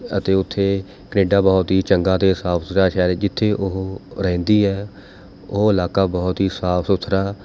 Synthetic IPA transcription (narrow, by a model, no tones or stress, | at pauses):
ət̪eːʊt̪ʰːeː | kəneːɖaːbɔːt̪ɦiːt͡ʃəŋɡãːt̪eːsaːpʰsɾaːʃɛːɾd͡ʒɪt̪ʰːeːʔʊɦɾɛ̃ːnd̪iːɦɛː | ʊɦɪlaːkaːbɔːt̪ɦiːsaːpʰsʊt̪ʰɾaː